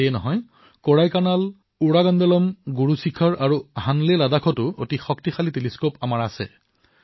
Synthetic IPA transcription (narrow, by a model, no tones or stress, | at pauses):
eɛnɔɦɔj | koɹajkanal | uɹaɡandɔlɔmɡuɹusikʰɔɹʔaɹuɦanleladakʰɔtʊo̰tixɔktixaliteliskopamaɹasɛ̰